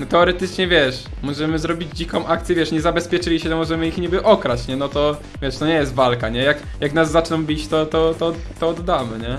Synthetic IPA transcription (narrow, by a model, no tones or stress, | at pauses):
nɔt̪ɛɔɾɛt̪ɘt͡ʂɲɛvʲjɛʂ | mɔʐɛmɘzɾɔbʲid͡ʑd͡ʑikɔ̃w̃ʔak̚t̪sʲjɛvʲjɛʂɲɛzabɛspʲjɛt͡ʂɘlʲiɕɛt̪ɛmɔʐɛmɘixɲibɘʔɔkɾat͡ɕɲɛnɔt̪ɔ | vʲɛʂt̪ɔɲɛjɛs̬t̪valkaɲɛjak | jaknazːat͡ʂnɔ̃wbʲit͡ɕt̪ɔt̪ɔt̪ɔ | t̪ːɔːd̪ːamɘɲɛ